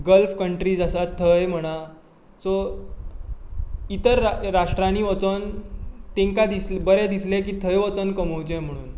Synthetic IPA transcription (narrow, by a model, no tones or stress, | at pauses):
ɡəlfkəɳʈɾiːd͡zasat̪ʰːəjm̤əɽ̃a | so | it̪əɾːaʂʈɾañiːʋət͡sənt̪ẽŋkad̪islbəɾɛd̪islek̬iːt̪ʰəjʋət͡sənkəməwt͡ɕẽm̤əɽ̃uːn